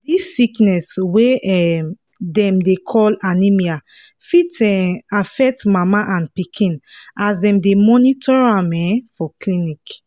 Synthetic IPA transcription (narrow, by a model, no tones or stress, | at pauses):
disːiknɛsweɛm | dɛ̃mdekʰɔlanimia | fitɛafɛk̚tmamaʔãnpikʰĩnasdɛ̃mdemɔnitɔɹãmɛfɔklĩnik